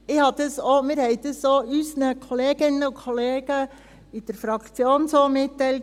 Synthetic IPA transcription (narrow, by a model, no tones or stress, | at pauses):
ɪhɑd̥̪əsoːmɪɾhɛɪd̥̪əsːoːyːsnəkʰoleːɡ̥ɪnəʊkʰoleːɡ̥ə | ɪd̪̥əɾfɾɑkt͡sjoːnsoːmɪtːɛɪlt